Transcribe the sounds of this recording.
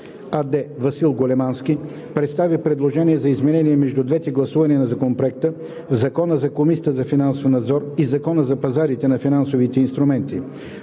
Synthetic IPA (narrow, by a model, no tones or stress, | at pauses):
ɐd̪ɛvɐsilˠɡolɛmanski | pɾɛt̪st̪avipɾɛd̪lˠoʒɛniɛzɐizmɛnɛniɛmɛʒd̪ud̪vɛt̪ɛɡlˠɐsuvɐniɛnɐzɐkonpɾoɛk̚t̪ə | zɐkɔnəzɐkomisiət̪əzɐfinansofnɐd̪zɔɾizɐkɔnəzɐpɐzaɾit̪ɛnɐfinansovit̪ɛinst̪ɾʊmɛnt̪i